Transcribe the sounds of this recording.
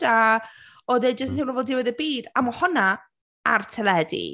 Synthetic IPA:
a | ɔðɛd͡ʒəstnʰimrɔbɔlˠdɪwɪðəbiːdamɔhɔna | artʰɛlɛdḭ

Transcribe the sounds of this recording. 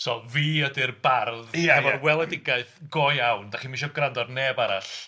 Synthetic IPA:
sɔviːɔdɪrbarðjaɛvɔrwɛlˠɛdɪɡaɨθɡ̥ojawndaχiːmiʃɔɡrandɔdnɛbaɾa̰ɬ

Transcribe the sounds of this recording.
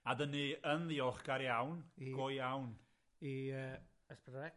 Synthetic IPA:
adəniənðiɔχɡ̥aɾjawnɡ̥ɔjjawn | iə | əspədɛ

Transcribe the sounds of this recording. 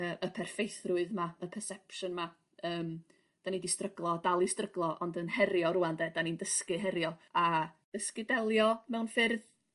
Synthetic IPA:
əːʔəpʰɛrfejθrʊɨðmaəpʰɛrsɛpʃɔnma | əːm | d̥anidistrəɡlˠɔdalˠistrəɡlˠɔʔɔndənhɛɾjɔɾʊandɛd̥anindəskɨɦɛɾjɔad̥əskɨdɛlˠjɔmɛwnfɪrð

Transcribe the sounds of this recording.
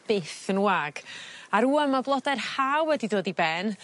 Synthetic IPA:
b̥ɪθənwaɡ̥aɾuːəmablˠɔdarhawɛdidoːdibɛn

